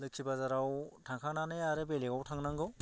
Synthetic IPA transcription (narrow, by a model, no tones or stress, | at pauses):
lɯkʰibazaɾawtʰaŋkʰaŋnanɯjaɾɯbeleɡawtʰaŋnaŋɡɯw